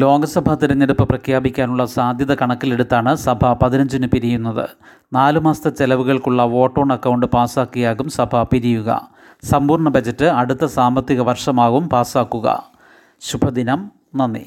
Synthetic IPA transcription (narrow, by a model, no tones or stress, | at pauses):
lo̞ːɡɐsɐbʱɐt̪ːiɾɐɲːeɽupːɐprɐkʰjaːbikʲːaːnuɭːɐsaːd̪ʱjɐðɐkɐɳɐkːile̞ɽut̪ːaːɳɨsɐbʱɐpɐðinɐɲd͡ʑinɨpiɾijunːɐðɨ̰ | naːlumaːst̪ɐt͡ɕelɐʋuɣɐɭkuɭːɐʋo̞ːʈːo̞ːɳɖɐkːɐwɳɖɨpaːsaːkːijaːɣumsɐbʱɐpiɾijuɣɐ̰ | sɐmbuːrɳɐbɐd͡ʑɐtːɨɐɽut̪ːɐsaːmbɐt̪ːiɣɐʋɐrʂɐmaːɣumpaːsaːkːuɣɐ̰ | ɕubʱɐd̪inɐm | nɐnːḭ